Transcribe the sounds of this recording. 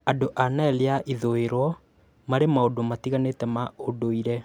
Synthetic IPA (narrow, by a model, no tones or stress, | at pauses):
adoʔanaɛleaʔiðoeɾwɔ | maɾemaodomatiɣanetɛmaodoiɾɛ